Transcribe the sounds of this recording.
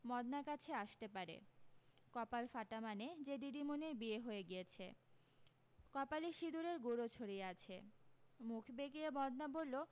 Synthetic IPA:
mɔd̪naɾkat͡ɕʰeaʃt̪epaɾḛ | kɔpalfaʈamaned͡ʑed̪id̪imoneɾbieɦoeɡijet͡ɕʰḛ | kɔpaliʃid̪uɾeɾɡoɾot͡ɕʰoɾieat͡ɕʰḛmukʰbeɡiemɔd̪nabolːo

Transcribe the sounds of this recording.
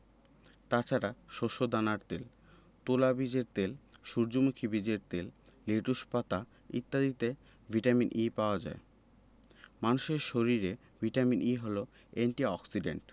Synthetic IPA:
t̪at͡ɕʰaɾaʃoʃod̪anaɾt̪el | t̪olabid͡ʑeɾt̪elʃuɾd͡ʑomukʰibid͡ʑeɾt̪elleʈuʃpat̪a | ḭt̪ːad̪it̪e | vʱiʈaminʔipaoad͡ʑa̰e | manuʃeɾʃoɾiɾe | vʱiʈaminʔiɦolo | eɳʈiɔksiɖḛɳʈ

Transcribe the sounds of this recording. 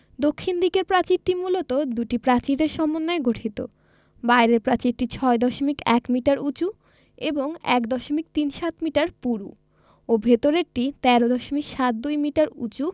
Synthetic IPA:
d̪okʰːind̪ikeɾpɾat͡ɕiɾʈimulot̪od̪uʈipɾat͡ɕiɾeɾʃɔmonːaeɡʱoʈʰit̪o̰ | baeɾeɾpɾat͡ɕiɾʈit͡ɕʰɔed̪ɔʃomikɛ̰kmiʈaɾut͡ɕu | eboŋɛ̰kd̪ɔʃomik̚t̪inʃat̪miʈaɾpuɾṵ | obʱet̪oɾeɾʈit̪ɛɾod̪ɔʃomikʃat̪̚d̪ujmiʈaɾṵt͡ɕu

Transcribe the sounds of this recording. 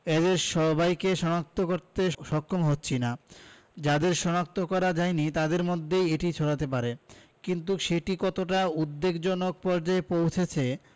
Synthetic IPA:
ed̪eɾʃɔbajkeʃɔnak̚t̪ʰokoɾt̪eʃɔkʰːomɦotːɕʰina | d͡ʑad̪eɾʃɔnak̚t̪okɔɾad͡ʑajnit̪ad̪eɾmod̪ʱːejeʈit͡ɕʰoɽat̪ep̬aɾekint̪̬uʃeʈikɔt̪oʈaud̪ːeɡd͡ʑɔnok̚pɔɾd͡ʑaepowt͡ɕʰet͡ɕʰe

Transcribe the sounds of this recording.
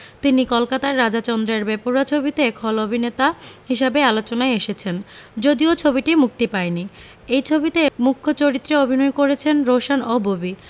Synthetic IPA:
t̪inikɔlkat̪aɾːad͡ʑat͡ɕɔnd̪ɾeɾbepuɾat͡ɕʰobit̪ekʰɔlobʱinet̪aɦiʃabealot͡ɕonaeeʃet͡ɕʰend͡ʑod̪iot͡ɕʰobiʈimuk̚t̪ipaeni | ejt͡ɕʰobit̪emukʰːot͡ɕoɾit̪ːɾeobʱinojkoɾet͡ɕʰenɾoʃanobobi

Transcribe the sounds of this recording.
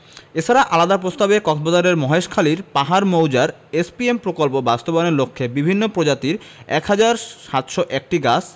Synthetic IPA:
et͡ɕʰaɾaʔalad̪apɾost̪abekɔt̪bod̪aɾeɾmɔɦeʃkʰaliɾpaɦaɾmowd͡ʑaɾ | espiempɾokolpobast̪obaneɾlokʰːebibʱinːopɾod͡ʑat̪iɾ | ɛ̰khad͡ʑaɾʃat̪ʃɔʔɛk̚ʈiɡas

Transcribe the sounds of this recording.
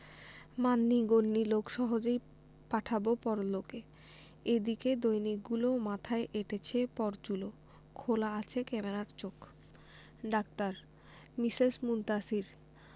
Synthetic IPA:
manːiɡonːilokʃɔɦod͡ʑej | paʈʰabopɔɾloke | ed̪iked̪ojnik̚ɡulomat̪ʰaeʔeʈet͡ɕʰepɔɾt͡ɕulo | kʰolaat͡ɕʰekɛmeɾaɾt͡ɕok | ɖak̚t̪aɾ | misesmunt̪asiɾ

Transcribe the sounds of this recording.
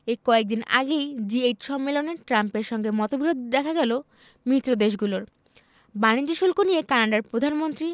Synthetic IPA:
ekɔek̚d̪ina̰ɡejd͡ʑiejʈʃɔmːeloneʈɾampeɾʃɔŋɡemɔt̪obʱiɾod̪ʱd̪ɛkʰaɡɛlo | mɾit̪ːɾod̪eʃ̬ɡuloɾ | banid͡ʑoʃulkonijekanaɖaɾpɾod̪ʱanmont̪ɾi

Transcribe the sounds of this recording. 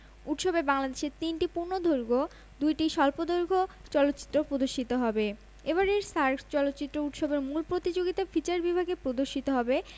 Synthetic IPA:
uʈʃobebaŋlad̪eʃeɾt̪inʈipuɾnod̪ʱoɾɡo | d̪ujʈiʃɔlpod̪oɾɡʱot͡ɕɔlot̪ːɕi̥t̪ːɾopɾod̪oɾʃit̪oɦɔbe | eβaɾeɾsaɾkt͡ɕɔlot̪ːɕit̪ːɾouʈʃobeɾmulpɾot̪id͡ʑoɡit̪afʰit͡ɕaɾbibʱaɡepɾod̪oɾʃit̪oɦɔbe

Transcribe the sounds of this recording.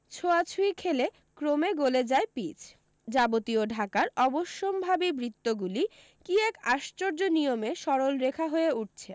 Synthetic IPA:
t͡ɕʰoat͡ɕʰuikʰele | kɾomeɡoled͡ʑaepit͡ɕʰ | d͡ʑabot̪ioɖʱakaɾɔboʃːombʱabibɾit̪ːoɡuli | kiɛkaʃt͡ɕoɾd͡ʑonijomeʃɔɾolɾekʰaɦoeuʈ̚t͡ɕʰe

